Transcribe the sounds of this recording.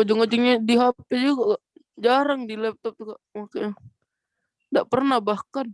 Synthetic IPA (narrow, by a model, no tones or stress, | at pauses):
od͡ʒɔŋod͡ʒɔŋɲadiɦapɛd͡ʒukaʔkaʔ | d͡ʒaɾaŋdilɛp̚t̪ɔp̚t̪ukaʔmakaja | daʔpərnahbahkan